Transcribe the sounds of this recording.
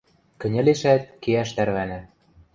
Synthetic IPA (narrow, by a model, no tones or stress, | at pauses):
kɘ̆nʲɘ̆leʃæt̪̚keæʃt̪æɾβænɘ̆